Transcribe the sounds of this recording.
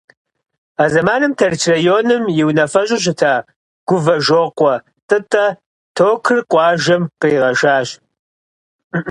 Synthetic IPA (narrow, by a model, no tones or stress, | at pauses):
aːzɐmaːnɨmtʰɐrt͡ʃʰrɐjoːnɨmjɪwnɐfɐʑʼɪʑɪtʰaː | ɡ̥ʷʊvɐʒoːqʷʼɔ | tʼɨtʼɐ | tʰoːkʰɨrqʷʼɑːʒɐmqeːʁɐʒaːɕ